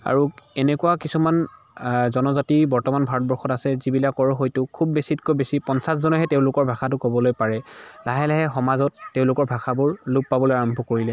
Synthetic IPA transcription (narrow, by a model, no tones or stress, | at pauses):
a̰ɹuɛnɛkuwakisuman | zɔnɔzatibɔɹtɔmanbʱaɹɔt̚bɔɹxɔtasɛzibilakɔɹɔɦojtʊkʰubːesitkojbesipɔnsas̬zɔnɔɦɛteʊ̃lʊkɔɹbʱaxatʊkobɔlojpaɹɛlaɦɛlaɦɛxɔmazɔtːeʊ̃lʊkɔɹbʱaxabʊɹlup̚ːabɔlojaɹɔmbʱɔkoɹilɛ